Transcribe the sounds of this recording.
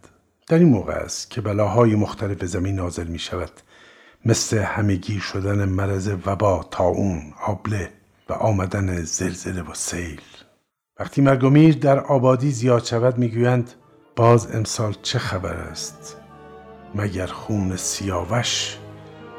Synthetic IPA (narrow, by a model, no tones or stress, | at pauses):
d̪̥æɾiːnmoːɣḛæ̰st̪cʰe̞bælɒːɦɒːjimoxt̪ʰæle̞fezæmiːnːɒːze̞lmiːʃævæd̪̥ | mesle̞hæme̞ɡiːʃod̪ænemæɾæze̞væbɒːt̪ʰɒːʔuːnɒːble̞ | væ̰ʔɒːmæd̪ænez̥elz̥ele̞vosejl | væχt̪ʰiːmæɾɡo̞miːɾd̪æɾɒːbɒːd̪iːzijɒːd̪ʃævæd̪miːɡuːjænd̪ | b̥ɒːzḛmsɒːlt͡ʃʰe̞xæbæ̰ɾæ̰st̪ | mæɟæɾxuːnesijɒːvæʃ